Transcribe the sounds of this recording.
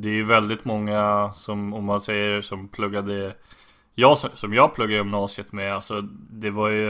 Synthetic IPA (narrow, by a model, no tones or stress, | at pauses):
d̪ɛːɾjɵvɛld̪ɪt̪mɔŋːasɔmɔmːansɛjːəsɔmpʰlɵɡːad̪ə | jɑːssɔmjɑːɡ̚pʰlɵɡːad̪jʏmnɑːsɪət̪mɛalsɔd̪ɛvaɾjɵ